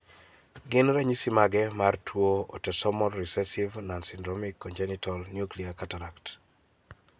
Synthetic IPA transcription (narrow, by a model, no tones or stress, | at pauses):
ɡɪnɾaɲisimaɡɛmartʰwoɔtɛsɔmɔlɾisɛsivnansindɾɔmikːɔnd͡ʒɛnitʰɔlnjukliakataɾakt